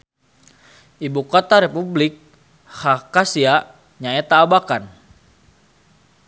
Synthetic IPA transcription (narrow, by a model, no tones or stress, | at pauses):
ʔibukot̪aɾepublɪk̚ | hakasia | ɲaɛt̪aːbakan